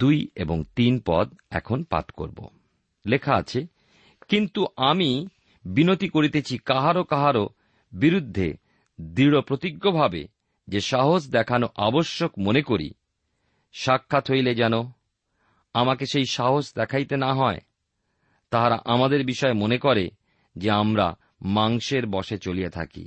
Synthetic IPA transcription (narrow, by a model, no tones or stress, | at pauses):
t̪ujḛboŋt̪inpɔ̰d̪ɛ̰kʰonpa̰t̪ko̰ɾbo̰ | lekʰaa̰t͡ɕʰe | kint̪uʔami | binot̪ikoɾit̪et͡ɕʰikaɦaɾokaɦaɾo | biɾud̪ʱːḛ | d̪ɾiɽopɾot̪iɡːobʱabḛ | d͡ʑeʃaɦod͡ʑd̪ɛkʰanoʔaboʃːokmonekoɾḭ | ʃakʰːat̪ɦojled͡ʑɛno | amakeʃejʃaɦosd̪ɛkʰajt̪enaɦɔe | t̪aɦaɾa̰ʔamad̪eɾbiʃɔemonekɔɾe | d͡ʑeamɾa̰ | maŋʃeɾbɔʃet͡ɕoliet̪ʰa̰kḭ